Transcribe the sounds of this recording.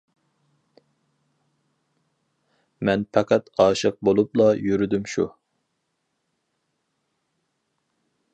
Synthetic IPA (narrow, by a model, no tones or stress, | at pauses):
mɛnpʰɑqʰæt̪ɑːʃɨq̚bolˠup̚lˠɑjyɾyd̪ymʃṵ